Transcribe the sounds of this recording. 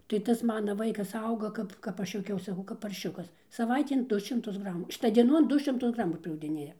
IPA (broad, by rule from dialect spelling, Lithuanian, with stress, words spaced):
tɐɪ ˈtɐs ˈmɑːnɐ ˈʋɐɪkɐs ˈɐʊɡɐ ˈkɐp kɐp ˈɐʃ juɔˈkʲɛʊs sɐˈkɐʊ kɐp pɐrʲˈʃʲʊkɐs sɐˈʋɐɪtʲeːn ˈdʊ ʃʲɪmˈtʊs ˈɡrɑːmuː ˈʃʲɪtɐ dʲiɛˈnoːn ˈdʊ ʃʲɪmˈtʊs ˈɡrɑːmʊ pʲrʲɛʊɡdʲɪˈnʲeːjɛ